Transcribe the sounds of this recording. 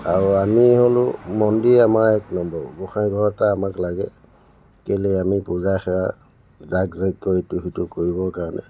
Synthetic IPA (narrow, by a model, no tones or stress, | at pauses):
aɹuamiɦolʊmɔndiamaɹɛknɔmbɔɹɡɔxajɡʱɔɹɔtaːmaklaɡɛ | kelɛamipuzaxɛɹa | zakzajtːɔituxitukoɹiβɔkaɹɔnʔɛ̰